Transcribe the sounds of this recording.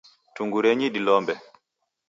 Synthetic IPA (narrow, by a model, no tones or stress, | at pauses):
tuŋɡuɾɛɲiɗilɔmbɛ